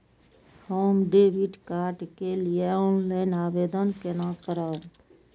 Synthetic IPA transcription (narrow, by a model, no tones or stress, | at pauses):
hoːmɖeːʋiʈkaːɾʈkelijeɔ̃ːnlaɪnaːbeːd̪ənkenakəɾət̪